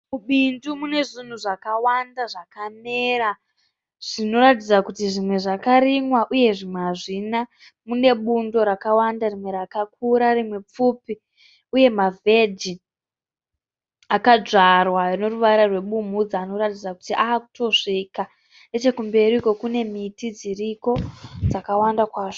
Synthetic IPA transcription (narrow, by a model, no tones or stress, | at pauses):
muɓindumune̞ʐin̤uʐakawandaʐakameːɾa | ʐ̥ino̞ɾatid͡zakutiʐimwe̞ʐakaɾimwaʔuje̞ʐimwaʐina | mune̞ɓundo̞ɾakawandarimwe̞ɾakak̚uɾarimwe̞p͡fupi | uje̞mave̞d͡ʒi | akad͡ʐarwano̞ruʋaiɾarwe̞ɓum̤ud͡zaːno̞ratid͡zakutiʔaːku̥to̞ʐika | net͡ʃe̞kumbe̞ɾiko̞kune̞mitid͡ziriko̞d͡zakawandakwaːʐo̥